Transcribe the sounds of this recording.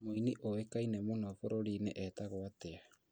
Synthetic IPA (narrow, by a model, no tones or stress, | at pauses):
moiniʔoekainemonafoɾoɾiːneʔɛtaɣoatea